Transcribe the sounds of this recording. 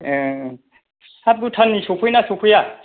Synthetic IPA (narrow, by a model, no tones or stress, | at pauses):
sap̚ɡutʰanːisokʰujnasokʰuja